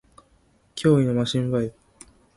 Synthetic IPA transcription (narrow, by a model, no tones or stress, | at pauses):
kʲʰo̞ːinomaɕĩmbai